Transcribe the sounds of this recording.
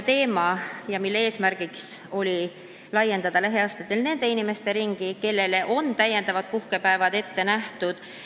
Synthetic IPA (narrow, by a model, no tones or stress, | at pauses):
t̪e̞ːmɑjɑmilːeeːsmæɾɡ̥ikso̞lʲi | lɑje̞nd̪̥ɑd̪̥ɑlæɦeɑst̪ɑ̥t̪ːˑe̞lne̞nd̪̥e̞inime̞st̪e̞ɾiŋɡ̥ike̞lːe̞le̞ʔo̞nt̪æje̞nd̪ɑvɑd̪̥̚puhke̞pæevɑd̪̥e̞t̪ːe̞næht̪ud̪̥